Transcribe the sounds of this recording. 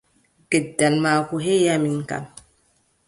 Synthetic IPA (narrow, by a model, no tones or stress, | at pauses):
ɡɛdːalmaːkuɦejamiŋka̰n